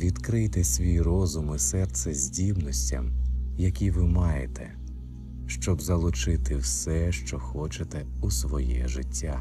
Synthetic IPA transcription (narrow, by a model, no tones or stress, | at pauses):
ʋʲid̪kɾɪjt̪ɛsʲʋʲijrɔzʊmɪsɛrt̪sɛzʲdʲibnɔsʲtʲɐ̰mjɐkʲiʋɪmɑjḛt̪ɛ | ʃt͡ʃɔbzɐlˠʊt͡ʃɪt̪ɪwsɛʃt͡ʃɔxɔt͡ʃet̪ɛusʋɔjɛʒɪtʲːa